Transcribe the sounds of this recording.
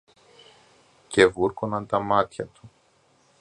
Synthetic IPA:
ce̞vuɾkonɐnt̪ɐmɐt̪çɐt̪u̥

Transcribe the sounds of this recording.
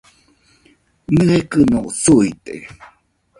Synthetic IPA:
nɨekɨnosuit̪ḛ

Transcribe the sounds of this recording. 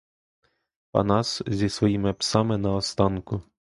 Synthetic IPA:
pɐ̰nɑszʲisʋɔjimɪpsɑmɪnɐɔst̪ɑnkʊ

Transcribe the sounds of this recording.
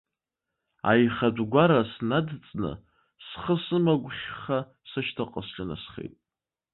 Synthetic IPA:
a̰jχadʷɡʷaɾasnadt͡sʼnɨ̰ | sχəsɨmaɡʷχʲχa | sɨʃtʰaqʼəsɬɨna̰sχḛjtʼ

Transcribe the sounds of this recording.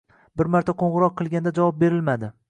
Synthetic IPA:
bɪɾmaɾt̪ʰaqʰoɴʁɨɾɒq̚ʰːɨlˠɡʲand̪ad͡ʒavɒp̚be̞ɾɪlmad̪ɪ

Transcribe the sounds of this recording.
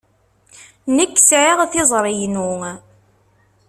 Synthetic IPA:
nəkːsʕiʁθɪzˤɾˤijnu

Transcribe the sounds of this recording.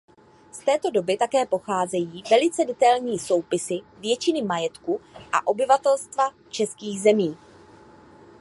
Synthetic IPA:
st̪ɛːt̪o̞do̞bɪt̪akɛːpo̞xaːzɛjiːvɛlɪt͡sɛdɛt̪ajlɲiːso̞wpɪsɪvjɛt͡ʃɪnɪmajɛt̪kuʔa̰ʔo̞bɪvat̪ɛlst̪va | t͡ʃɛskiːɣzɛmiː

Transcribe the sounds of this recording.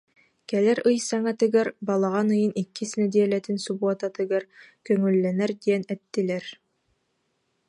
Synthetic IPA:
kɛlæɾɯjsɑŋat̪ɘ̆ɡæɾbɑlˠɑʁɑnɯjɯnikːɘsnɛd̪ijɛlæt̪ɘnsubuɔt̪ɑt̪ɯ̆ɡæɾkœŋɵ̆lːænæɾd̪ijɛnæt̪ːɘ̆læɾ

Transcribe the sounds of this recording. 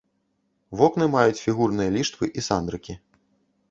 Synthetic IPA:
vɔknɨmajut͡sʲfʲiɣurnɨjɐlʲiʂt̪vɨʔisand̪ɾɨkʲi

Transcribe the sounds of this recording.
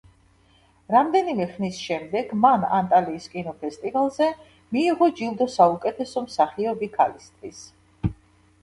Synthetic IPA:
ɾamd̪ɛnimɛχnisʃɛmd̪ɛɡmana̰nt̪ʼaliːskʼinɔpʰɛst̪ʼivalˠzɛ | miːʁɔd͡ʒilˠd̪ɔsaukʼɛt̪ʰɛsɔmsaχiɔbikʰalist̪ʼvis

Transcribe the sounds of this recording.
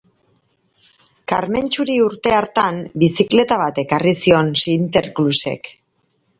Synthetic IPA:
kaɾme̞nt͡ʃuɾiuɾt̪e̞aɾt̪ambisikle̞t̪aβ̞at̪e̞karisio̞nsint̪e̞ɾkluse̞̰k

